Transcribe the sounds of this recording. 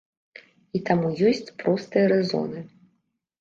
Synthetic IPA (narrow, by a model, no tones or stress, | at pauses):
it̪amujɔsʲt͡sʲpɾɔst̪ɨjɐɾɛzɔ̰nɨ